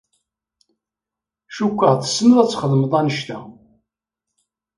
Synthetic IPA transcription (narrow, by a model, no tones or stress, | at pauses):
ʃukʷːəʁθə̥sːməðæt͡sːχəðˤməðˤɑnəʃt̪æ